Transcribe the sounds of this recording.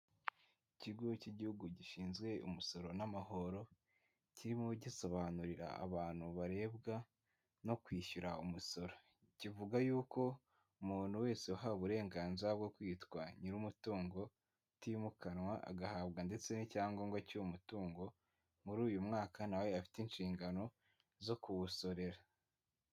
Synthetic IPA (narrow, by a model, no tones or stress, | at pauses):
iciɡuciɟihuɡuɟiʃiːnzɡwe̞ṵmuso̞ɾo̞namaho̞ɾo̞ | ciɾimoɟiso̞βanuɾiɾa̰a̰βaːn̥huβaɾe̞ːbɡa | no̞kwiːʃuɾaumusoɾo̞ | civuɡajuːko̞ | umuːn̥huwe̞ːseuɦauβuɾe̞ːŋɡaːnziɾab̚ɡo̞kwiːtkwaɲiɾumutuːŋɡo̞ | timukanwaʔa̰ɡahaːβɡande̞t͡se̞nicaːŋɡoŋɡwacuumutuːŋɡo̞ | muɾuːjumŋaːkanawe̞afi̥tinʃiːŋɡano̞ | zo̞kuβuso̞ɾe̞ɾa